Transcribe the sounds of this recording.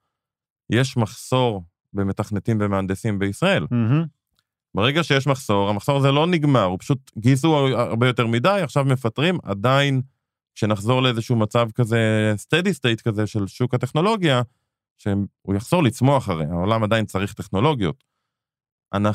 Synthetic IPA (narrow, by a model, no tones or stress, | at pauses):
jeʃmaχso̞ʁ | be̞me̞taχnetimve̞meand̪esimbeisʁae̞l | beʁeɡaʃejeʃmaχso̞ʁamaχso̞ʁazelo̞niɡmaʁupḁʃutɡisuʁbejo̞teʁmidajaχʃavme̞fatʁima̰dain | kʃe̞naχzo̞ʁleezeʃuumat͡savkaze̞st̪edist̪ejtkazeʃe̞lʃukate̞χno̞lo̞ɡja | ʃeṵjaχz̥o̞ʁlit͡smo̞aχaʁejao̞lamadajint͡saʁiχte̞χno̞lo̞ɡjo̞t | ʔa̰na